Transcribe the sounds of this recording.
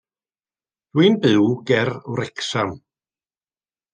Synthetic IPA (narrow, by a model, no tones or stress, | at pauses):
d̥wɨnbɨwɡɛrwɾɛksam